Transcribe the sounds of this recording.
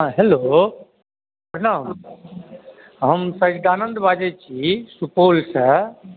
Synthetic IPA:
ɦãɦelo | əɾnam | ɦəmsə̃d͡ʒd̪aːnənd̪bad͡ʒet͡ʃʰisupoːlsə

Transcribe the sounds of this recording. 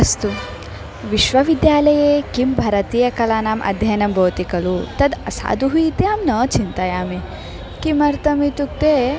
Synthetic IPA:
ɐst̪u | ʋiʃʋɐʋid̪jaːlɐjeːkimbʱɐɾɐt̪iːjɐkɐlaːnaːmʔɐ̰d̪ʱjɐjnɐmbʱɐwt̪ikɐlut̪ɐd̪ɐsa̰ːd̪ʱuɦuit̪eaːmnɐːt͡ʃint̪ɐjaːme | kimɐɾt̪ɐmit̪uk̚t̪eː

